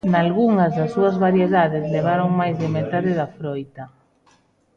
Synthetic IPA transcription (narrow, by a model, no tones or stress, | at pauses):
nalɣuŋɐzðasːuɐzβaɾjeðaðɪzleβ̞aɾoŋmajzðemet̪aðɪðafɾojt̪a